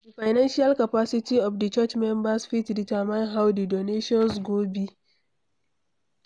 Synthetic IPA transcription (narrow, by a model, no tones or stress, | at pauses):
dəfajnanʃialkapasɪtiɔfdət͡ʃɐt͡ʃmɛmbasfitditamaɪnɦawdidoneʃɔ̃nsɡoːbi